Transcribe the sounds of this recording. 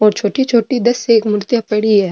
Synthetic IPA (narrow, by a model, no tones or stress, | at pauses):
ɔːɾt͡ʃʰoːʈit͡ʃʰoːʈid̪ɐsːeeːkmʊɾt̪japɐɽiɦɛ